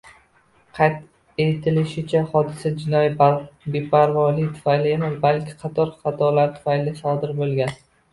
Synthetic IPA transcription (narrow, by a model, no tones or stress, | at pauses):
qʰɑjt̪ | e̞t̪ʰɪlɪʃɪt͡ʃʰahɒd̪ɪsad͡ʒɪnɒjbepʰaɾvɒlɪjt̪ʰʊ̥fajlɪemɪzbalkʲʰɪ̥qʰɑt̪ʰɒɾχɑt̪ʰɒlaɾt̪ʰʊ̥fajlɪsɒd̪ɪɾbolˠɡʲan